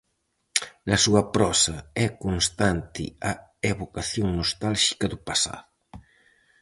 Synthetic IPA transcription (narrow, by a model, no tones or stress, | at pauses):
nɐsuɐpɾɔsɐɛkonst̪ant̪ɪ̰aeβokaθjoŋnost̪alʃi̥kɐðupasa̰ðʊ